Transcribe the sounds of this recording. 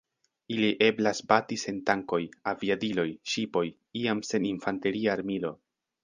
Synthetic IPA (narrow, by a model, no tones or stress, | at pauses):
iliʔe̞blasbatise̞ntaŋko̞javiadilo̞jʃipo̞j | iamse̞ninfante̞ɾiaːɾmilo̞